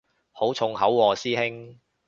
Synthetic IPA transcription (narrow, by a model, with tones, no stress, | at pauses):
ho˨˥wt͡sʰʊ˧ŋhɐ˨˥wːɔː˨siː˥hɪ˥ŋ